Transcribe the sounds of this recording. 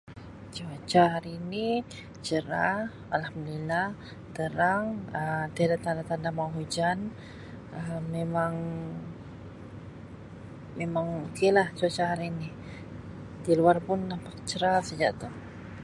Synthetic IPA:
t͡ʃəat͡ʃaɦaɾiːni | t͡ʃəɾa | alhamd̪ilah | t̪əɾaŋət̪iadaʔt̪andat̪andamaɦud͡ʒan | əːemaŋ | memaŋukilaht͡ʃuat͡ʃaɦaɾiːni | diluarpʊnːampakt͡ʃəɾasad͡ʒa̰ʔt̪uh

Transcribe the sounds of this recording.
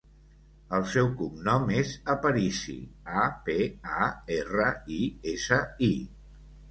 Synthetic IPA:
əlˠsɛwkumnɔmezəpəɾisḭapeaerəiesəi

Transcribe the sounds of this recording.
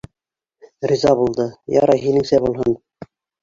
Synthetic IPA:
rizɑbulˠd̪ɤjɑ̰ɾɑjɦinɘ̆ŋsæbulˠɦɤn

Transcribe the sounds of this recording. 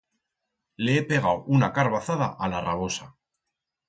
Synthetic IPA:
le̞epe̞ɣ̞awunakaɾβaθaðaʔalaraβ̞o̞sa

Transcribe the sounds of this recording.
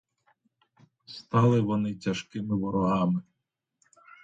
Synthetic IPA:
st̪ɑlˠɪʋɔnɪtʲɐʃkɪmɪʋɔɾɔɦɑmɪ

